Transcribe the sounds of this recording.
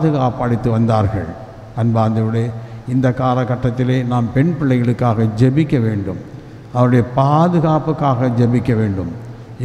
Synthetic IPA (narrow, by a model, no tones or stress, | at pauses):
ðɯɣaːpɐɽɪt̪ːɯʋɐnd̪aːɾɣɐ̰ɭ | ɐnbaːnd̪ɪʋɯɽeːɪnd̪ɐkːaːlɐkːɐʈːɐt̪ːɪleːnaːmpɛɳpɪɭːɐɪɣɐɭɯkːaːɣɐd͡ʒɛbɪkːɐʋeːɳɖɯm | ɐʋɐɾɯɽɐjɐpaːðɯɣaːpɯkːaːɣɐd͡ʒɛbɪkːɐʋeːɳɖɯm